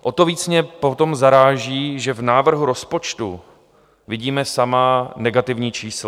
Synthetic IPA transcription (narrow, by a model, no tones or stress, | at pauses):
ʔot̪oviːt͡sɲɛpo̞t̪o̞mzaɾaːʒiːʒɛvnaːvr̩ɦuɾospo̞t͡ʃt̪ṵ | vɪɟiːmɛsamanɛɡat̪ɪvɲiːt͡ʃiːsl